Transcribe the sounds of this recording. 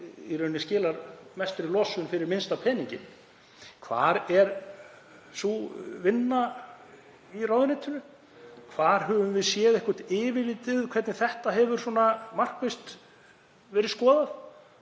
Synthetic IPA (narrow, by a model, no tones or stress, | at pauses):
ḭɾœɥnːɪscɪːlaɾmɛst̪ʏɾɪlɔsʏnfɪɾɪɾmɪnst̪apʰɛːniɲcɪ̰ | kʰva̰ːɾɛɾ | suvɪnːa | irawðɪnɛt̪ʰːʏnʏ | kʰvaːɾ̥ɦɛvʏmvɪðsjɛːðɛhkœ̥t̪ɪːvɪvɪt̪ɪðkʰvɛɾt̪nɪθɛht̪aɦɛvʏɾ̥sɔːnamar̥kvɪst̪ | vɛːɾɪskɔːðað